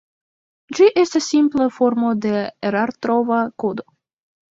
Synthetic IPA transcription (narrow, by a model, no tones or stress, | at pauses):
d͡ʒiʔe̞stasːimplafo̞ɾmo̞de̞eɾaɾt̪ɾo̞vakud̪o̞